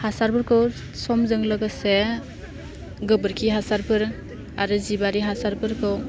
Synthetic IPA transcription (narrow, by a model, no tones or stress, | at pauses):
hasaɾpɯɾkʰɯw | sɔmzɯŋlɯɡase | ɡɯbɯɾkʰiɦasaɾpʰɯɾ | aɾɯzibaɾiɦasaɾpʰɯɾkʰɯw